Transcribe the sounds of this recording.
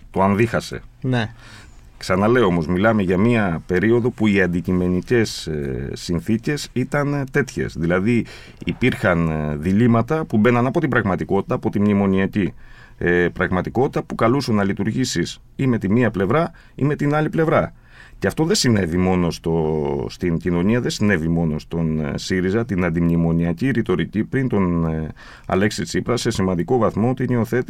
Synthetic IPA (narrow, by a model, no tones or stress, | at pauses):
t̪o̞ɐnðixɐse̞̰ne | ksɐnɐle̞o̞mo̞zmilɐme̞ʝɐmiɐpe̞ɾio̞ðo̞puiɐnd̪icime̞nice̞sː | inθice̞sit̪ɐnt̪e̞t̪çe̞̰sðilɐði | ipiɾxɐnðilimɐt̪ɐpube̞nɐnɐpo̞t̪ibɾɐɣmɐt̪iko̞t̪i̥t̪ɐːpo̞t̪imnimo̞niɐci | pɾɐɣmɐt̪iko̞t̪i̥t̪ɐpukɐlusunːɐlit̪uɾʝisis | ime̞t̪iniɐple̞vɾɐ | ḭme̞t̪inɐliple̞vɾɐ | ceɐft̪o̞ðesine̞vimo̞no̞st̪o̞st̪incino̞ɲiɐðe̞sine̞vimo̞no̞st̪o̞nsiɾizɐt̪inɐnd̪imɲimo̞niɐciɾit̪o̞ɾicipɾint̪o̞n | ɐ̰le̞ksit͡sipɾɐse̞simɐnd̪iko̞vɐθmo̞ot̪ineoθe̞t̪i